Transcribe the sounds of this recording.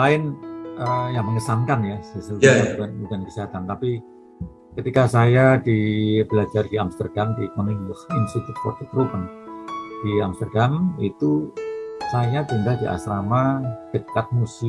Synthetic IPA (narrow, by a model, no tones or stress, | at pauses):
laɪnʔəjaŋməŋəsaŋkanjassəuaakanbukankəsiɦat̪ant̪api | kət̪ikasajadibəlad͡ʒardiamst̪ərdamdimənumbʊhinst̪it̪ut̪̚fɔ̰rt̪ək̪ɾupən | d̥iamst̪ərdamit̪u | sajat̪indaldiʔa̰sɾamaɡ̥əd͡ʒak̪̚musi